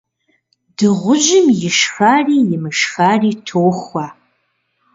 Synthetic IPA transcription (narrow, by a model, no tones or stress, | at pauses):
dɨʁʷʊʒɪmjɪʃxaːriːjɪmɨʃxaːriːtʰoːxʷa